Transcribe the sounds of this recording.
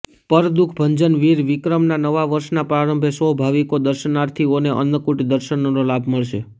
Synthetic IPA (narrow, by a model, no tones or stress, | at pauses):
pəɾd̪ukʰbʱəɲd͡ʒənʋiɾʋikɾəmnanəʋaʋəɾʃnapɾaɾəmbʱesəɦbʱaʋikod̪əɾʃənaɾt̪ʰioneʔə̰nd̪kuʈd̪əɾʃənonolabʱməɭʃe